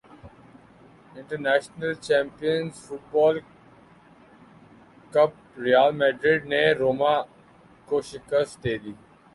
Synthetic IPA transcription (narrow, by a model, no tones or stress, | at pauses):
ɪ̃ɳʈəɾnæːʃnəlt͡ʃɛ̃ːmpijənzfʊʈ̚bɔːl | kɐp | ɾijaːlmɛːɖɾɪɖneɾoːmaː | koːʃɪkəsd̪eːd̪iː